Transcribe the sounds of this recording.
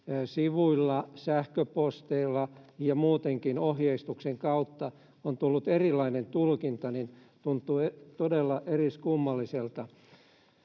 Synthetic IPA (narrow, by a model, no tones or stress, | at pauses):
siʋuilːɑsæhkøpost̪eilːɑjɑmuːt̪eŋkinohjeist̪ukseŋkɑut̪ːɑ | ont̪ulːut̪erilːɑinent̪ulkint̪ɑnin | t̪unt̪ːˑuet̪odelːɑʔeriskumːɑlːiselt̪ɑ